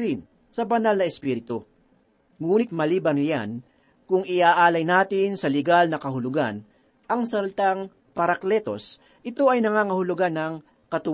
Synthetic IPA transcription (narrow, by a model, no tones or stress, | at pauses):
ɾɪn | sɐbɐnalnɐɛspiːɾɪt̪o | ŋuːnɪt̪̚mɐliːbɐnja̰n | kʊŋɪʔaːʔaːlɐjnaːt̪ɪnsɐlɪɡalnɐkɐhʊlʊɡa̰n | ʔɐŋsɐlt̪aŋ | pɐɾɐklɛt̪o̞s | ʔɪt̪o̞ʔɐjnɐŋaːŋɐhʊlʊɡanːɐŋ | kɐt̪ʊ